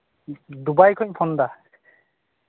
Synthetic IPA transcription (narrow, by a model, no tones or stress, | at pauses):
d̪ubajkʰɔɲpʰɔnd̪a